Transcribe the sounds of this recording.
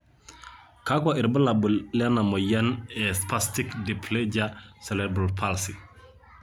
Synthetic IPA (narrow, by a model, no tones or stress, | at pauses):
kakaʔiɾbəlabulanamojanɛspastikdipʰled͡ʒasɛlɛbɾalpʰalsi